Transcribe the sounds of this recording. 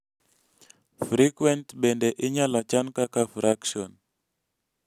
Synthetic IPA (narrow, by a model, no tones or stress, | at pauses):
fɾikwɛntɓɛndɛʔɪɲalat͡ʃankakafɾakʃiɔn